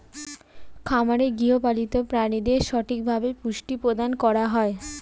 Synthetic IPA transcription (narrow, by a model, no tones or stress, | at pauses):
kʰamaɾeɡiɦopalit̪opɾanid̪eɾʃɔʈʰik̚bʱabepuʃʈipɾod̪ankɔɾaɦɔe